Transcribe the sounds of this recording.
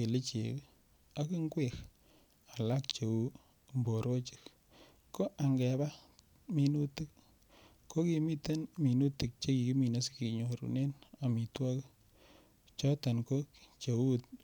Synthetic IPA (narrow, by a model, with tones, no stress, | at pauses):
e˨le˦t͡ʃḛ˨k | a˦ki˦ŋɡwe˨k | a˨la˦k̚t͡ʃe˨u˦ | mbo˨ɾo˦t͡ʃɪ̥˦k | ko˦ʔa˨ŋɡɛ˨ba˦ | mi˨nu˦tɪ˦k̚ | ko˦ki˨mi˦te˦nmi˨nu˦tɪ˨k̚t͡ʃe˦ki˨ki˦mi˨na˦ski˨ɲo˨ɾṵ˨ne˦na˨mi˨twa˦k | t͡ʃɔ˦ta˨nko˦kt͡ʃe˨wu˦t̚